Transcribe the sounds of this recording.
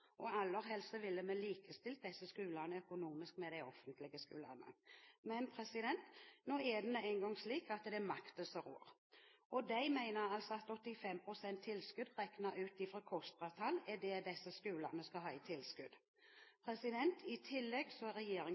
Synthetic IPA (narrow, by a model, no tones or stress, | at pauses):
ʔɔɑlːəʁɦɛlsəʋɪlːəmɛliːkəst̪ɪlt̪̚d̪ɛsːəskʉːlənəœkʊnuːmɪskmɛd̪æɪɔfənt̪lɪɡəskʉːlə̰nə̰mɛnpʰɾɛsɪd̪ɛnt̪noːɛd̪ɛnɛæɪŋɡɔŋsliːkɑt̪d̪ɛmɑkt̪əsəʁo̰ːɾɔd̪æɪmæɪnəɾɑlsɔɑt̪ɔt̪ːɪfɛmpʰɾʊsɛnt̪ʰːɪlskʉd̪ʁɛknəʉːt̪ifɾɑkʰɔst̪ɾɑt̪ʰɑlɛd̪ɛd̪ɛsːəskʉːlənəskɑɦɑːɪt̪ʰɪlskʉd̪ | pʰɾɛsɪd̪ɛnt̪ʰɪt̪ʰɪlːɛɡsɔɛɾʁɛjeːɾɪŋ